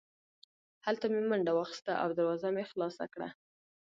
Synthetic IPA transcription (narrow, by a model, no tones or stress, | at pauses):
halt̪amemaɳɖawɑxi̥st̪aʔa̰wd̪aɾwɑzamexlɑsa̰kɽa̰